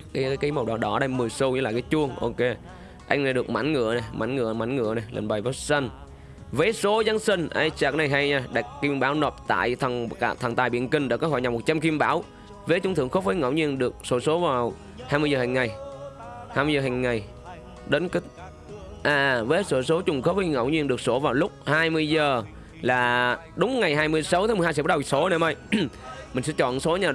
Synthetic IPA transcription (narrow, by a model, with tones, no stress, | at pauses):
ka˨˦˨kaː˨˦jmə˨˩wɗɔ˨˩ɗɔ˨˦ɗa˧jmɨ˨˩əjsu˧wɲɨ˧la̰ː˨˩kaː˨˦jt͡ɕu˧əŋʔo̰˧ke˧ | ʔa˧jŋ̟na˨˩jɗɨ˨˩ək̚ma˧˩˦nŋɨ̰˧˩˨əna˨˩jmʔa˧˩˦nŋɨ̰˧˩əma˨˩˦nŋɨ̰˧˨əna˨˩jlḛ˧˩nɓa˨˩jvaː˨˦t̚sə˧n | ve˨˦so˨˦za˧nsi˧ŋʔa̰˧˩jt͡ɕaː˨˩k̚na˨˩jɦa˧jɲaː˧ɗa˨˩jk̚ki˧mɓaː˨˦wno˨˩p̚t̪a̰ː˧˨jt̪ʰŋka̰ː˧˩t̪ʰaː˨˩ŋt̪aː˨˩jɓḭ˧˨ənkï˧˩ŋ̟ɗa̰ː˧˥kɔ˨˦ɦɔ˧˩jɲa˨˩mo˨˩t̚t͡ɕa˧mki˧mɓaː˨˦w | vəː˨˦t͡ɕʊ˧ŋ͡mt̪ɨ̰˧˨əŋxo˦˥p̚vəː˨˦jŋə̰˧˨wɲi˧ənɗɨ˨˩ək̚so˧˨˦so˨˦vaː˨˩w | haː˧jmɨ˧əzəː˨˩hã˨˩ŋ̟ːa˨˩j | haː˧jmɨ˧zəː˨˩ɦa˨˩ŋ̟ŋa˨˩j | ɗe˨˦nk̚ | ʔaː˨˩vəː˨˦soː˧˩so˨˦t͡ɕʊ˨˩ŋ͡mxo˦˥p̚və˨˦jŋə̰˧˩wɲi˧ənɗək̚so˧˨˦vaː˨˩wlʊ˦˥k͡p̚haː˧jmɨ˧əjzəː˨˩ | laː˨˩ | ɗʊ˨˦ŋ͡mŋa˨˩jɦaː˧jmɨ˧əjsa˨˦wt̪a˨˦m˨˩hːsɛ˧˦ɓ̚so˨˦ne˧˦mə˧jmï˨˩ŋ̟sɛ̰˧˥t͡ɕɔ̰˧˨nso˨˦ɲaː˨˩